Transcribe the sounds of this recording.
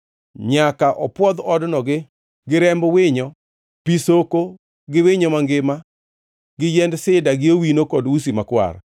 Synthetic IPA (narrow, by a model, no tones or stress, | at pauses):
ɲakaʔɔpwɔd̪ɔdnɔɡɪ | ɡɪɾɛmbwɪɲɔ | pisoko | ɡɪwɪɲɔmaŋɡɪma | ɡɪjɛndsɪdaɡɪowinokɔdwusimakwa̰r